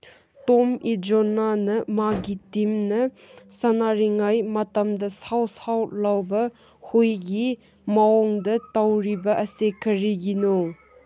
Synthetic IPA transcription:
tomid͡ʒonanɐmaɡitimnɐ | sɐnaɾiŋajmɐtɐmdɐsawsawlawbɐ | hojɡi | maɔŋdɐtawɾibɐʔɐsekʰɐɾiɡino

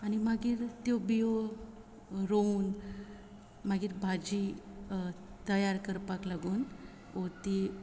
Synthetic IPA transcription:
añimaɡiːɾt̪jobijo | ɾoun | maɡiːɾbʱad͡ʑi | t̪əjaɾkəɾpaklaɡuːn | ot̪i

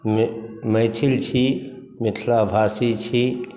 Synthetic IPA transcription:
mməjt͡ʃʰilt͡ʃʰi | miʈʰlabʱaːsit͡ʃʰi

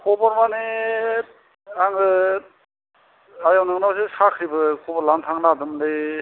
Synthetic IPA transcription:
kʰɔbɔɾmane | aŋɯ | ajawnɯŋnabsesakʰɾibɯkʰɔbalantʰaŋnadɯmde

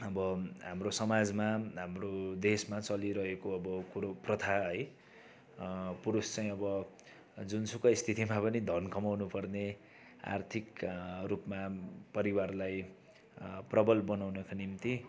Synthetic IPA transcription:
ʌbʌɦamrosʌmad͡zmaɦamrod̪esmat͡sʌliɾʌɦekoʌbʌkuɾoprʌt̪ʰaɦʌj | puɾust͡saj̃ʌbʌ | d͡zunsukʌist̪ʰit̪imapʌnid̪ʱʌnkʌmawnupʌrne | a̰rt̪ʰikrupmapʌɾiwarlaj | prʌbʌlbʌnawnʌkanimt̪i

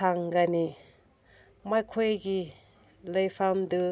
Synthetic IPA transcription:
aŋɡani | majkʰojɡi | lɐjpʰamdɯ

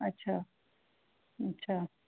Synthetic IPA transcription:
ɐtːɕʰaː | ɐtːɕʰa

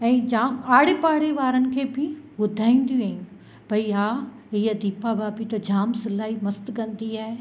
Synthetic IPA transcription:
ɛ̃ːd͡ʑaːmaːɽepaːɽeʋaːɾənɪ̆kʰeːbɪbʊd̪ʱaːĩːn̆d̪jũaːɪ̃ | b̥ʱɐiɦaː | ɦiːɐd̪ʱiːpabaːpit̪ɐd͡ʑaːmsɪlaːɦimɐst̪kɐ̃nd̪iaːɦe

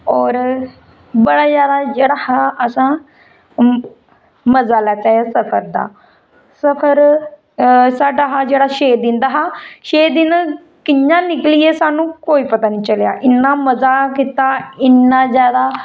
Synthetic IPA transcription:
ɔːɾ | bəɽaːzjaːd̪aːd͡ʒeːɽaːhaːʔəsãː | məzaːlɛːt͡ʃaːjaːsəpʰəɾd̪a̰ː | səpʰəɾ | saːɖaːɦaːd͡ʒeːɽaːʃeːd̪ɪ̃ːnd̪aːɦaːʃeːd̪ɪn | kɪɲãːnɪklɪjeːsaːnũːkoːiːpət̪aːnĩːt͡ʃəlja̰ːʔɪnːaːməzaːkɪt̪aːɪnːãːzjaːd̪aː

